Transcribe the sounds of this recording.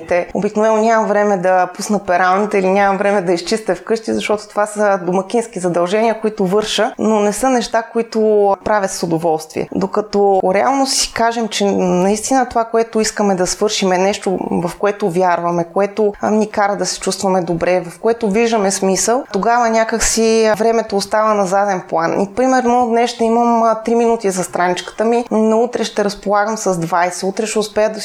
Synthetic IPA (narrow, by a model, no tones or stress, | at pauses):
t̪ɛo̰biknovɛnonʲamɐvɾɛmɛd̪ɐpusnət̪pɛɾalˠnit̪ɛilinʲamɐmvɾɛmɛd̪ɐist͡ʃist̪ɛfkɤʃt̪izɐʃt̪ɔt̪o̥t̪ovasəd̪omɐkʲinsk̟izɐd̪ɐlˠʒɛniəkoit̪ʊvɤɾʃənonɛsɤnɛʃt̪akoit̪ʊpɾavʲjət̪sod̪ovɔlˠst̪vḭɛ̰d̪okɐt̪ɔɾɛa̰lˠnosi̥kaʒɛmt͡ʃɛnɐist̪inət̪ovakoɛt̪ʊiskəmɛd̪ɐsvɤɾʃimɛnɛʃt̪ovɐfkoɛt̪ʊvʲjaɾvɐmɛkoɛt̪onikaɾəd̪ɐsɛ̥t͡ʃust̪vɐmɛd̪obɾɛvɐfkoɛt̪ʊviʒd̪əmɛsmisəlˠt̪oɡavənʲakəksivɾɛmɛt̪oːst̪avənɐzad̪ɛnplˠanḭpɾimɛɾnɔd̪nɛsʃt̪ɛiməmt̪ɾiminut̪izɐst̪ɾanit͡ʃkə̥t̪əminɐut̪ɾɛʃt̪ɛɾɐspolˠaɡəmsɐzd̪vajsɛut̪ɾɛʃɛʊspɛjəd̪ɐ